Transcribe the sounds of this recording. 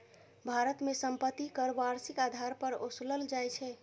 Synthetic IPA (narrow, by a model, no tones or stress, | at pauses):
bʱaɾət̪mesəmpət̪ːikəɾbaɾsikad̪ʱaɾpəɾosləld͡ʒajt͡ʃʰɛ